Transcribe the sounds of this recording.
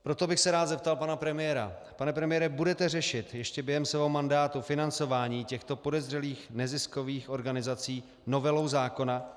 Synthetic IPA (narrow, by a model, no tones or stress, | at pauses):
pɾo̞t̪o̞bɪxsɛɾaːt̪zɛp̚t̪alpanapɾɛmɪjɛɾa̰ | panɛpɾɛmɪjɛɾɛbudɛt̪ɛrɛʃɪt̪jɛʃcɛbjɛɦɛmsɛvɛomandaːt̪ufɪnant͡so̞vaːɲiːcɛxt̪o̞po̞dɛzr̝ɛliːxnɛzɪsko̞viːxʔo̞ɾɡanɪzat͡siː | no̞vɛlo̞wzaːko̞na